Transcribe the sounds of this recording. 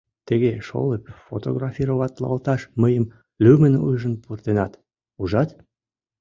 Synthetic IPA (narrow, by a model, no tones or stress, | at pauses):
t̪əɣeʃo̰lepfot̪oɣrɑfʲiɾoβɑt̪lɑ̰lt̪ɑʃməjəm | lymənṵjʒənpurt̪enɑt̪ | uʒɑt̪